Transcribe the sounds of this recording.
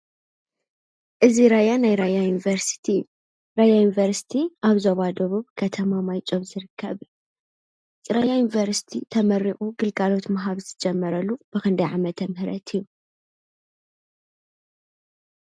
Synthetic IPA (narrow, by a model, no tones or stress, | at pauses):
ʔɨziɾajanajɾajajunivɐɾsi̥t̪ʰijːu | ɾajajunivɐɾsi̥t̪ʰiʔaβzoβad̪ɐβuβkʰɐt̪ʰɐmamajt͡ʃʼoβzɨɾɨkʰːɐβ | t͡sʼɾajajunivɐɾsi̥t̪ʰit̪ʰɐmɐɾːiχʼuɡɨlɡalo̞t̪mɐɦaβzɨd͡ʒɛmːɐɾɐlːub̥ɨkɐnd̪ɐjʕamɐt̪ʰɐmhɨɾɐ̰t̪ʰijːu